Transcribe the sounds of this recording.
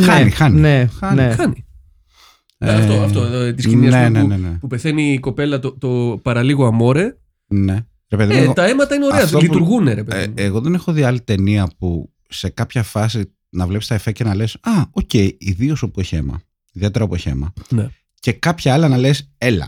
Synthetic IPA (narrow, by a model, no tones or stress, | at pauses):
xɐnixɐninexɐniexɐni | eft̪oɐtt̪ot̪isiniɐnsenenenepupe̞θeniko̞pe̞lɐt̪ot̪opɐɾɐliɣoɐmo̞ɾe | ne̞ | ɾepeðimt̪ɐemɐt̪ɐineo̞ɾeɐolit̪uɾɣuneɾepeimeɣo̞ðe̞nexoðiɐlit̪e̞niɐpu | se̞kɐpçɐfɐsi | nɐvlepi̥st̪ɐefece̞nɐle̞sɐoce̞jiðio̞sopueçemɐ̰ | iðie̞t̪eɾɐopoeçḛmɐ̰ne | ce̞kɐpçɐɐlɐnɐlese̞lɐ̰